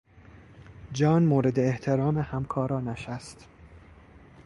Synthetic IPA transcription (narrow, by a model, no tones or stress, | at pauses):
d͡ʒɒːnmoːɾe̞d̪eːht̪ʰe̞ɾɒːmehæmkʰɒːɾɒːnæʃæst̪